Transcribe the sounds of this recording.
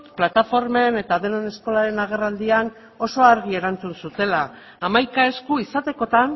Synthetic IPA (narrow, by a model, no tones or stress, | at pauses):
plat̪afo̞ɾme̞ne̞t̪aðenene̞sko̞laɾe̞naɣe̞rald̪ian | o̞so̞aɾɣ̞ie̞ɾant͡sunsut̪e̞laː | majkae̞skuisat̪eko̞t̪an